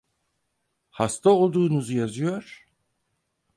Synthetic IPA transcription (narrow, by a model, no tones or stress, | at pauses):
hast̪ʰao̞lˠd̪uːnuzujazɯjo̞ɾ̥